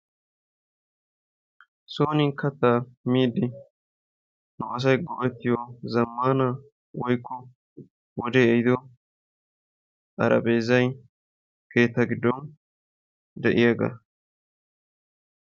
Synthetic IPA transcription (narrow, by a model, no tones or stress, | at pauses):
soːnɪkɐt̪ːaːmiːd̪ɪ | nʊʔɐs̬ɐjɡɔʔɛt̪ːɪjɔzɐmːaːnɐ | wɔjkːɔ | wɔd̪ɛɛjd̪ɔ | ʔɐ̰ɾɐ̰beːzɐj | ke̞ːt̪ːɐɡɪd̪ːɔn | d̪ɛʔɪjaɡɐ̰